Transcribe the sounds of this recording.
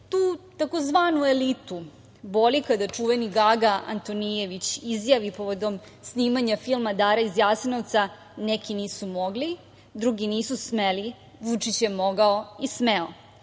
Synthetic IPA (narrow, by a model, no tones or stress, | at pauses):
t̪uːt̪akozʋaːnue̞lit̪u | bo̞likad̪at͡ʂuʋeniɡaɡaʔa̰nt̪onijeʋit͡ɕizjaʋipoʋo̞d̪o̞m | sniːmaɲafilˠmad̪aːɾaizjaːsninoʋt̪sa | nekiniːsumo̞ɡli | d̪ɾuɡiniːsusmeli | ʋut͡ʂit͡ɕjemo̞ɡaoismeo̰